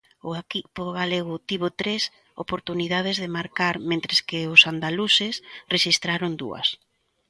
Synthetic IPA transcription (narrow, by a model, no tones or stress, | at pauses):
ʊakipoðɣaleɣ̞ʊt̪iβot̪ɾes | o̰poɾt̪uniðað̞ezðɪmaɾkaɾmẽnt̪ɾɪskɪʊsand̪alusɪsreʃist̪ɾaɾond̪ṵɐ̰s